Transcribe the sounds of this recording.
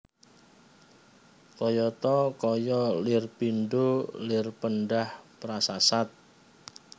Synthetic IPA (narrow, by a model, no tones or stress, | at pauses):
kɔjɔt̪ɔkɔjɔlɪrpinɖolɪrpənɖahpɾasasat̪̚